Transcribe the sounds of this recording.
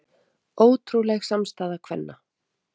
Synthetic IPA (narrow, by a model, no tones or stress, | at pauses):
oːwt̪ʰɾuwlɛɣsamst̪aːðakʰv̥ɛnːa